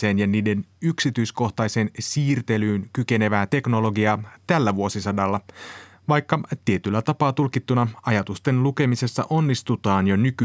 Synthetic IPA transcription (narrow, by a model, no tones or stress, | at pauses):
e̞ːnjɑniːde̞nyksit̪yjsko̞ht̪ɑjse̞ːnsiːrt̪e̞lyːnkyke̞ne̞ʋæːt̪e̞kno̞lo̞ɡiɑːt̪ælːæʋuo̞sisɑdɑlːɑ | ʋɑjkːɑt̪iet̪ylːæt̪ɑpɑːt̪ulkit̪ːunɑɑjɑt̪ust̪e̞nluke̞mise̞sːɑ̰ʔo̞nːist̪ut̪ɑːnjo̞nyky